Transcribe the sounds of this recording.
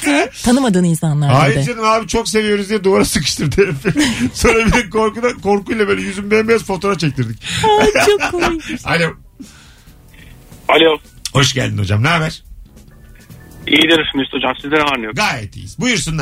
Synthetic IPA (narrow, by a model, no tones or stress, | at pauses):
t̪ʰanɯmad̪ɯːninsanlˠaɾaːjd̪d͡ʒanimhaːbit͡ʃʰo̞ks̬e̞vijo̞ɾuzd̪ijɛd̪uvaɾasɯkɯ̥ʃt̪ʰɯɾt̪ʰeɾfisonɾabilʲinkʰo̞ɾkud̪akʰo̞ɾkujlˠabøːlʲɛjyzimbɛjmbezfo̞t̪ʰo̞ɾaft͡ʃʰec̚t̪ʰiɾd̪icat͡ʃoalʲo | alʲo | ho̞ʃɟæ̰lʲd̪ino̞̰d͡ʒa̰mnæɾbæɾ̥ | ijid̪iɾmyst̪ʰod͡ʒamsizlʲenaɾnɯjoɡaːjɛt̪ʰḭjḭz̥bujuɾsun